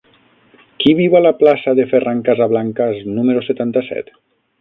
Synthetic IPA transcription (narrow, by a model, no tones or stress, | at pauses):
kiβiwalaplasaðeferaŋkazaβlaŋkaznumeɾoset̪ant̪asɛ̰t̪